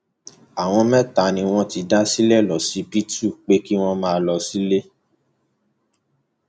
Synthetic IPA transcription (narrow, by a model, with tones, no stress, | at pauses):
a˨w̃ɔ̃˧mɛ̃˦ta˨nĩ˧w̃ɔ̃˦ti˧da˦si˦lɛ˦˨lɔ˨si˨˦pi˦tu˦˨k͡pe˦ki˦w̃ɔ̃˦mãː˦˧˦lɔ˧si˦le˦